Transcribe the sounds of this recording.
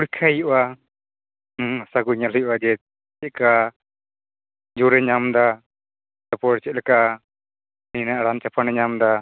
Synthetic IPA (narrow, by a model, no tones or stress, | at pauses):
uɽkʰajuʔa | hasakuɲalɔjuʔad͡ʒɛ | ɛt̚ka | d͡ʒuɾɛɲamd̪a | tapɔɽt͡ʃɛt̪̚lɛka | ninaʔɽant͡ʃapʰanɛɲamd̪a